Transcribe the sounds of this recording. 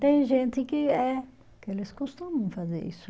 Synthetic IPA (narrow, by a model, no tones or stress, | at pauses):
t̪ẽj̃ʒẽnt̪ɪkɪɛ | kelɪskost̪umɐ̃w̃fazḛɾḭsʊ